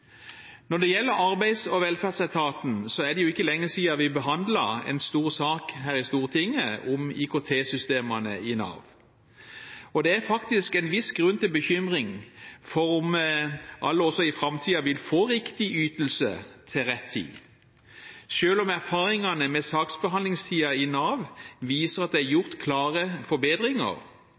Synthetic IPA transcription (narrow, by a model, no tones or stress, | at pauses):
nɔd̪ɛjɛlːəɾɑɾbæɪsɔʋɛlfædsæt̪ʰɑːt̪n̩sɔæd̪ɛjʊɪkːəlɛŋːəsiːɑʋɪbəɦɑnd̪lɑɛ̰nst̪uːʁsɑːkɦæːʁɪst̪uːʁt̪ʰɪŋːəʊmiːkʰot̪ʰeːsʏst̪eːmɑnə̰ɪnɑ̰ʁʋ | ɔd̪ɛæɾfɑkt̪ɪskɛnʋɪsɡɾʉnːt̪ɪlbəçʏmʁɪŋfɔɾʊmʔɑ̰lːəɔsːɔɪfɾɑmt̪ʰiːɑʋɪlfoːʁɪkt̪ɪʔyːt̪l̩sə̰t̪ʰɪlʁɛt̪ʰːḭː | ʃøːlɔmæʁfɑːʁɪŋɑnəmɛsɑːksbəɦɑnd̪lɪŋst̪ʰiːɑɪnɑːʋʋiːsəʁɑt̪̚d̪æɪæɾjʊʁt̪kʰlɑːʁəfɔɾbeːd̪ʁɪŋə̰ʁ